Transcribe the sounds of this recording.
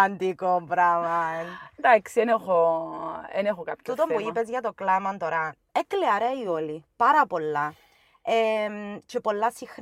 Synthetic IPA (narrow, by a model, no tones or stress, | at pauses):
and̪ikobɾavand̪aksienexo | ḛnexokapcut̪omboipezʝɐt̪oklamɐnt̪oɾa | ekleaɾeiolipaɾɐpolːa | emt͡ʃepolːasix